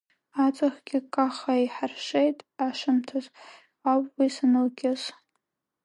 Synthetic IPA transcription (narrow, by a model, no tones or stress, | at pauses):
at͡sʼaχɡʲɪkʼaχaiħarʂejtʼaʂɨmtʰaz | apʼwisanɨlɡʲʼɪz